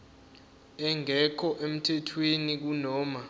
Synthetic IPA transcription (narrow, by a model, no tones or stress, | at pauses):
ɛŋɛkʰɔʔem̩tʰɛtʰwenik̬unɔːma